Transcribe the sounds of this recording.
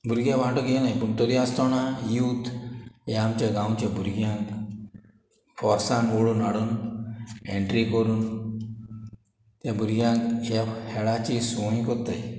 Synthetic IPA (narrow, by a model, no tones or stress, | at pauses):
bʱuɾɡjãʋãʈəkjenajpəɳt̪ɔd̪iast̪ɔnãjuːt̪jamt͡ɕjaɡãwt͡ɕjabʱuɾɡjãŋk | fɔɾsãnoɽuːnaɽuːn | eɳʈɾikəɾuːn | t̪jabʱuɾɡjãŋkjahɛɭat͡ɕisõĩkot̪aj